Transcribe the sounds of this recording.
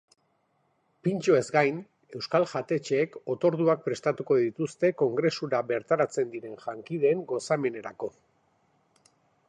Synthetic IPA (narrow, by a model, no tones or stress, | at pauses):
pint͡ʃo̞e̞zɡajn | e̞wskalʝat̪e̞t͡ʃeːko̞t̪o̞ɾð̞uak̚pɾe̞st̪at̪uko̞ðit̪ust̪e̞ko̞ŋɡɾe̞suɾaβe̞ɾt̪aɾat͡se̞nd̪iɾe̞nʝaŋkið̞e̞ːŋɡo̞same̞ne̞ɾako̞